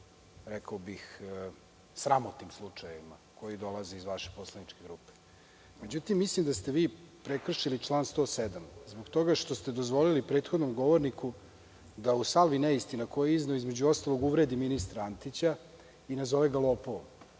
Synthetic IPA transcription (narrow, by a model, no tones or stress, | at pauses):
ɾɛkaobix | sɾamot̪nimslˠut͡ʂajeima | kʰo̞jid̪o̞lˠazeizʋaʃepo̞slˠanit͡ʂke̞ɡɾupe̥ | me̞d͡ʑut̪imːislimd̪ast̪e̞ʋiːpɾekr̩ʃilit͡ʃlˠaːnst̪o̞ːsed̪amzboɡt̪o̞ɡaʃt̪o̞st̪e̞d̪ozʋo̞lilipɾe̞ːt̪xo̞d̪no̞mɡo̞ʋoɾniku | d̪ausalˠʋineist̪inakojeizneoizme̞d͡ʑuo̞st̪alˠo̞ɡuʋɾed̪iminist̪ɾaant̪it͡ɕa | inazo̞ʋeɡalˠopoo̰